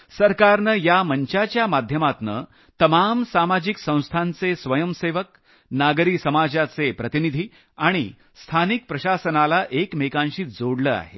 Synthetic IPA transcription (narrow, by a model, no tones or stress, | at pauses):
səɾkaɾnəjaməɲt͡ɕat͡ɕjamad̪ʱjəmat̪nə | t̪əmamsamad͡ʑiksə̃w̃st̪ʰãnt͡sesʋəjəmseʋək̚ | naɡɾiːsəmad͡ʑat͡sepɾət̪inid̪ʱiː | aɽ̃ḭ | st̪ʰanik̚pɾəɕasənalaʔekmekãnɕiːd͡zoɽləa̰ɦḛ